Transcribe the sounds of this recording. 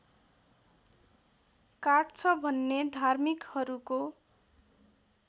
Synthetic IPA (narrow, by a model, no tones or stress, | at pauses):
kaʈt͡sʰʌbʱʌnːed̪ʱarmikhʌɾuko